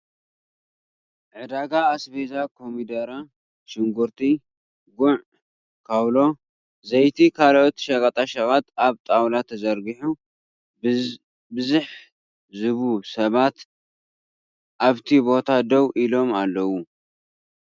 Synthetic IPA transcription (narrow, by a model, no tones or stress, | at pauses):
ʕɨd̪aɡaːsbezakʰomid̪ɐɾa | ʃɪŋɡuɾt̪ʰi | ɡʊʕ | kʰawlo̞ | zɐjt̪ʰikʰalʔot̪ʃɐkʼat̪ʼaʃakʼat̪aβt̪ʼawlat̪ʰːɐzɐɾɡiħu | bɨzuħ | zɨβusɐβat̪ | ʔaβt̪ʰibo̞t̪ʰad̪ɐwʔilo̞malːɐwu